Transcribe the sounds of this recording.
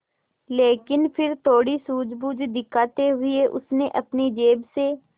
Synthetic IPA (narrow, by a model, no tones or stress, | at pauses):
leːkɪnpʰɪɾt̪ʰoːɽisuːd͡ʒbuːd͡ʒd̪ɪkʰaːt̪eɦʊɪeʔʊ̰sneʔəpnid͡ʒeːbseː